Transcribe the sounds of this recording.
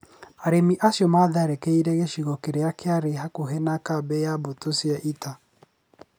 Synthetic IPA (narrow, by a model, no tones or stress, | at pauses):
aɾemiʔasjɔmaðaɾɛkɛiɾɛɣeʃiɣɔkeɾeakʰeaɾeɦakoɦɛnakabɛjabotosiɛʔita